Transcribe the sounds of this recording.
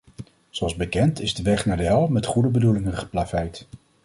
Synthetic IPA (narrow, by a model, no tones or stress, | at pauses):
zoɑlˠzbəkɛntɪzdəʋɛχnaːɹdəɦɛlˠmɛtχudəbədulɪŋənχə̥plafɛjt